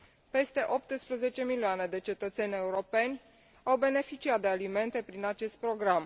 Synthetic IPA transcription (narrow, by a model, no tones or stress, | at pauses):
pe̞st̪e̞ʔo̞p̚t̪ɨspɾəze̞t͡ʃe̞milioane̞d̪e̞t͡ʃe̞t̪ət̪se̞nʲe̞uɾo̞pe̞nʲ | awbe̞ne̞fit͡ʃiat̪̚d̪e̞alime̞nt̪e̞pɾinat͡ʃe̞st̪̚pɾo̞ɡɾam